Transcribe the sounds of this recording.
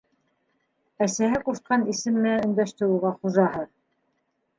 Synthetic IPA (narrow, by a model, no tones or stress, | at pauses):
æsæɦɘquʃt̪̚qɑnisɘ̆mːɘ̆æɵ̆nd̪æʃt̪ɘɾuʁɑχuʒɑɦɤð